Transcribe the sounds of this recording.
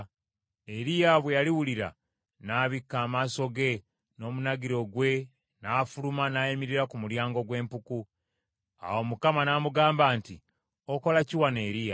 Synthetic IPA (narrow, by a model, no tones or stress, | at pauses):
e̞ɾijaβwe̞jaliwuliɾa̰ | naːβikːaːmaːso̞ɡe̞ | no̞ːmunaɡiɾo̞ɡwe̞ | naːfulumanaːjimiɾiɾakumuljaːŋɡo̞ɡwe̞ːmpuku | a̰wo̞mukamanamuɡaːmbaːnti | oko̞laciwane̞ːɾija